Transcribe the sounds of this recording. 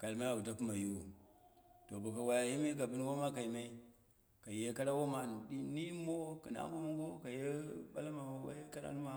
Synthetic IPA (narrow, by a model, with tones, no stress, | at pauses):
ka˨lma˦a˨u˨ta˦ku˦ma˨ju˦˨ | to˨bu˨ka˨wa˨ja˨ji˦ma˦i˦k̬a˨bu˦n˦wo˦ma˦ka˨ji˨ma˦i˦ | ka˨je˦ka˦ɾa˦wo˦ma˦nu˨ɗi˦ni˦mo˦ki˨na̰˦mo˦ma˦ŋo˦ka˨je˦ba˦la˦ma˨wo˨wa̰˦je˦ka˦ɾa̰˦nu˦ma˦